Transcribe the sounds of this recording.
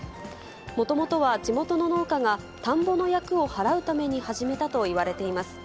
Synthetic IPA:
mo̞t̪o̞mo̞t̪o̞β̞aʑimo̞t̪o̞no̞no̞ːkaŋa | t̪ãmbo̞no̞jakɯ̟o̞haɾaɯ̟t̪ame̞ɲ̟ihaʑime̞t̪at̪o̞iβ̞aɾe̞t̪e̞imasɨ̥

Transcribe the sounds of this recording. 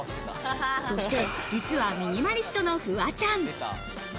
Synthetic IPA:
so̞ɕi̥t̪e̞d͡ʑit͡sɨβamʲiɲ̟imaɾʲisɨ̥t̪o̞no̞ɸɯ̟βat͡ɕãŋ

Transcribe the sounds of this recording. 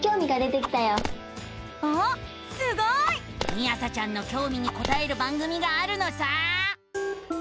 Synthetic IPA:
kʲo̞ːmʲiɡad̪e̞t̪e̞kʲi̥t̪ajo | o | sɨɡoi | mʲiasat͡ɕãnːo̞kʲo̞ːmʲiɲ̟iko̞t̪ae̞ɾɯ̟bãŋɡɯ̟mʲiɡaːɾɯ̟no̞sa

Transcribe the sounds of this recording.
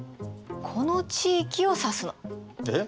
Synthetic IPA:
kʰo̞not͡ɕiːkʲio̞sasɨe

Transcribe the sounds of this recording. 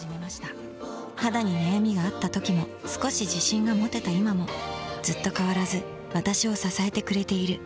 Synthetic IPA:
ime̞maɕi̥t̪a | had̪aɲ̟inajamʲiɡaːt̪ːat̪o̞kʲimo̞ | sɨ̥ko̞ɕiʑiɕĩŋɡamo̞t̪e̞t̪aimamo̞z̥ɨt̪ːo̞kaβ̞aɾazɨ | β̞at̪aɕio̞sasae̞t̪e̞kɯ̟ɾe̞t̪e̞iɾɯ̟

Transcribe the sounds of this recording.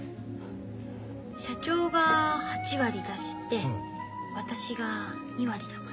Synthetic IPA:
ɕat͡ɕo̞ːɡahat͡ɕiβaɾʲid̪aɕi̥t̪e̞ | βat̪aɕiɡa | ɲʲiβaɾʲid̪aka

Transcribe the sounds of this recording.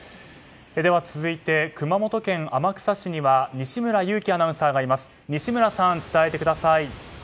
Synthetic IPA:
ed̪e̞βat͡sɨzɨit̪e̞kɯ̟mamo̞t̪o̞kẽ̞ɴamakɯ̟̥saɕiɲ̟iβaɲ̟iɕimɯ̟ɾajɯ̟ːkʲianãɯ̃saːɡaːɾʲimasɨ̥ | ɲ̟iɕimɯ̟ɾasãnt͡sɨ̥t̪ae̞t̪e̞kɯ̟d̪asai

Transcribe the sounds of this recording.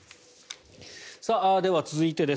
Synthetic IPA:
saad̪e̞βat͡sɨzɨit̪e̞d̪e̞

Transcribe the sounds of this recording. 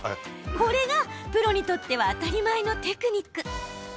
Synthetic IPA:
ko̞ɾe̞ɡapɯ̟ɾo̞ɲ̟it̪o̞t̪ːe̞βaːt̪aɾʲimaeno̞t̪e̞kɯ̟ɲ̟ikːɯ̟

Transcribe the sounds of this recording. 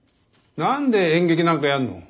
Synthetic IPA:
nand̪eeŋɡeɡinaŋkajanːṵ

